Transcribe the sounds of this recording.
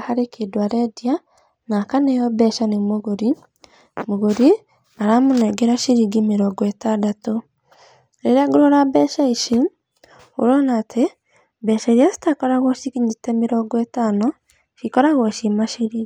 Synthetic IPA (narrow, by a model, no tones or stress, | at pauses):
haɾekedwaɾɛdia | nakanejɔbɛʃanemoɣoɾi | moɣoɾie | aɾamonɛɡeɾaʃiɾiɡimeɾɔɡɔetadato | ɾeɾaɡoɾoɾabɛːʃaiʃi | o̰ɾɔnatʰe | bɛʃaɾiasi̥takɔɾaɣɔʃikiɲitɛmeɾɔɡɔɛtanɔ | ʃikɔɾaɣɔʃimaʃiɾiɡi